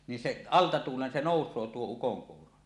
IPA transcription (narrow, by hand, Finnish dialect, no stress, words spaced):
ni seʔ ɑltɑ tuːlen se noˑusˑoː tuo ukoŋkuːro